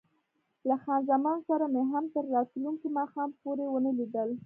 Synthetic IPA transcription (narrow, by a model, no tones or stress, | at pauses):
laxɑnzamɑnsaɾameɦamt̪əɾːɑt̪luŋkimɑxɑmpoɾewənəlid̪əl